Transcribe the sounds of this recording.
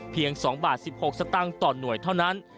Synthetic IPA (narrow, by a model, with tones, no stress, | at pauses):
pʰi˧əŋsɔː˩˦ŋbaː˨˩t̪̚si˨˩p̚ho˨˩k̚sa˧˥t̪a˥˩ŋt̪ɔː˨˩nːu˨˩əjt̪ʰa˥˩wna˦˥n